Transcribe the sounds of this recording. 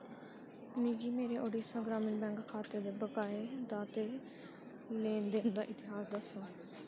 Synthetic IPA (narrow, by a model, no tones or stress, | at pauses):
mĩːɡiːmeːɾeːʔoːɖiːsaːɡɾaːməɳbɛ̃ːŋkkʰːaːt̪əɾd̪eːbəkaːeːd̪aːt̪eː | lẽːnd̪eːnd̪aːʔɪt̪ɪɦaːsd̪əsoː